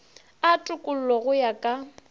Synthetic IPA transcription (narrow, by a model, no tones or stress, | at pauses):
atʼʊkʼʊl̩lɔɣʊjakʼa